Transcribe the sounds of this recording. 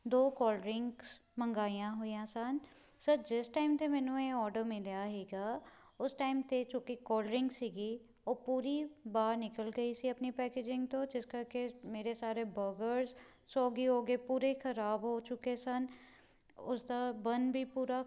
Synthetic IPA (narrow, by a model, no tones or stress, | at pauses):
d̪oːkɔːləɾɪŋɡsməŋɡaːijãːɦoːijãːsən | səɾd͡ʒɪsʈaːɪmt̪eːmɛːnũːeːɔːɾɖəɾmɪljaːɦɛːɡaː | ʊsʈaːɪmt̪et͡ʃoːkikɔːləɾɪ̃ŋɡsiːɡiː | oːpuːɾiːbaːɾnɪkəlɡəiːsiːəpniːpɛːkeːd͡ʒɪ̃ŋɡt̪õːd͡ʒɪskəɾkeːmeːɾeːsaːɾeːbəɡəɾz | soːɡiːɦoːɡeːpuːɾekʰəɾaːbɦoːt͡ʃʊkeːsən | ʊsd̪aːbənbʱiːpuːɾaː